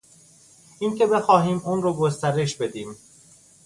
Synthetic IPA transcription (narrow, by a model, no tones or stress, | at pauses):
iːnce̞be̞xɒːɦiːmuːnrɒːɡost̪æɾe̞ʃbe̞d̪iːm